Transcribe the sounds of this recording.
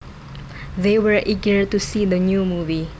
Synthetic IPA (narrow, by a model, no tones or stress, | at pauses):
ðewəɹʔiɡəɹt̪usid̪ənjumuvi